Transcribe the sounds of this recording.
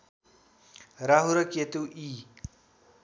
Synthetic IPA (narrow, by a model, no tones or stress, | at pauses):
ɾaɦuɾʌket̪uʔi